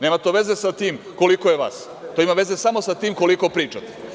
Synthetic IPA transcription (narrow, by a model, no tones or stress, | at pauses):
ne̞ːmat̪oʋe̞ze̞sat̪iːm | ko̞likojeʋa̰ːs | t̪oimaʋe̞ze̞samo̞sat̪iːmko̞liko̞pɾiːt͡ʃat̪e̥